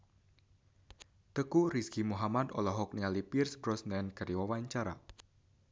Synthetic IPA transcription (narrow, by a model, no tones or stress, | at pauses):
t̪əkuriskimuɦamat̪ɔ̰lɔɦɔk̚nialipirsbɾɔsnɛnɡ̥a̤ɾiwawaɲt͡ʃaɾa̰